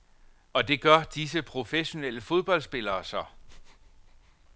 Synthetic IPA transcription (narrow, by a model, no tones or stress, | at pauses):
ɒ̽d̥e̝ɡ̥ɶɐd̥is̬əpʰʁo̝feɕo̝nel̰əfo̝ð̞ˠb̥ɒ̽l̰sb̥e̝lɐːsɒ